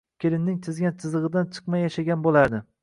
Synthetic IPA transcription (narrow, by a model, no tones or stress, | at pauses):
kʲʰelɪnnɪŋt̪ʰɪzɡʲant͡ʃ̪ʰɨzɨʁɨd̪ant͡ʃʰɨ̥qmajaʃaɡʲanbolˠad̪ɪ